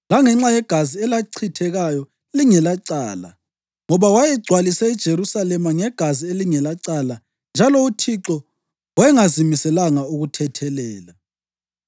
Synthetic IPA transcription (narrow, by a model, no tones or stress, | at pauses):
laŋɛŋ͡ǁajɛɡ̥ʱaziɛlaǀʰitʰɛɣajɔ | liŋɛlaǀa̰ːla̰ | ŋɔβawajɛɡ͡ǀʱwalisɛid̥ʒ̥ʱeɾusalɛmaŋɛɡ̥ʱazieliŋɛlaǀala | nd͡ʒʱalɔutʰiǁɔ | wɛŋazimisɛlaŋauɣutʰɛtʰɛlɛːla